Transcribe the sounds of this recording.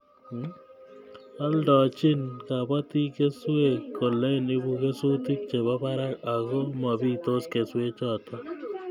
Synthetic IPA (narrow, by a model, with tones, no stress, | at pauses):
a˦ldɔ˨t͡ʃɪ˦nka˨ba˦t̪i˦ke˦swe˦˨kːo˨le˦ni˦bu˨ke˦su˦t̪ɪ˦k̚t͡ʃe˨ba˦ba˦ɾa˦ka˨ɣo˦ma˨bi˦˨t̪o˦ske˨swe˦t͡ʃɔ˦t̪ɔ˦